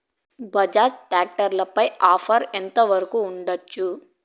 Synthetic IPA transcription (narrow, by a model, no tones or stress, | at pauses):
bɐd͡ʒaːt͡ʃʈaːk̚ʈɐɾlɐpɐjaːfʰɐɾɛnt̪ɐʋɐɾɐkuːɳɖɐt͡ʃːu